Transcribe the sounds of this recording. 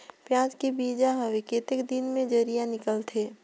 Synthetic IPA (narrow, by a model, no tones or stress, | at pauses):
pjãːt͡ʃkebiːd͡ʒaɦəʋekeːt̪ɪkd̪ɪnmẽd͡ʒəɾijanɪkəlt̪ʰeː